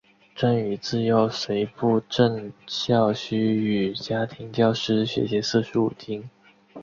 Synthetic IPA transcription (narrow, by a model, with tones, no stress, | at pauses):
ʈ͡ʂa˥ny˨˩t͡sɹ̩˥˩jo˥˩ʊʂe˧˥ɪpu˥˧ʈ͡ʂə˥˧ŋɕjɑ˥˩ʊɕy˥y˨˩t͡ɕja˥t̪ʰi˧˥ŋt̪jɑ˥˩ʊʂɻ̩˥ɕɥɛ̰˧˥ɕ̬jɛ˧˥sɹ̩˥˧ʂɻu˧˥u˨˩t̪ʰi˥ŋ